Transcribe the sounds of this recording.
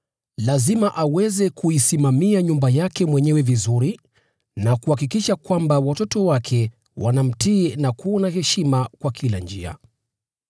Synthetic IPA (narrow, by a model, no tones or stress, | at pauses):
lazimaʔawɛzɛkuisimamiaɲumbajakɛmwɛɲɛwɛvizuɾi | nakuhakikiʃakwambawatɔtɔwakʰɛ | wʔa̰nam̩tiːnakuɔnahɛʃimakwakʰiland͡ʒḭa̰